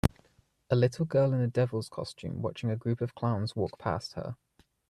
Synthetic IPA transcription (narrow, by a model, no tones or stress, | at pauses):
əlɪtʰˡəl̩ˠɡɜːlɪ̃nədɛvəlˠz̥kʰɒ̰st͡ʃʉ̰̃ːmwɒ̰t͡ʃɪ̃ŋəɡɹʉˑpəv̥kʰl̥ãʊ̃nz̥wɔˑk̚pʰa̰ˑsthə̰